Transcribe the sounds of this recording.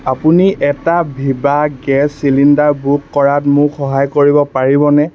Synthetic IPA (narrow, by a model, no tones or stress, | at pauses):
apuniʔɛtabʱibaɡɛsːilindaɹbukːɔɹatmʊxɔɦajkoɹibɔpaɹibɔnɛ